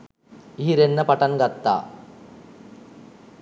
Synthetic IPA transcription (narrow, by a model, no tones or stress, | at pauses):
iɦiɾenːəpaʈaŋɡat̪ːa̰ː